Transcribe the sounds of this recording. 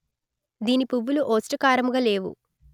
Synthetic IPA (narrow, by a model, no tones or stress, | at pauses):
d̪iːnipuʋːuluʔoːsʈɐkaːɾɐmuɡɐle̞ːʋṵ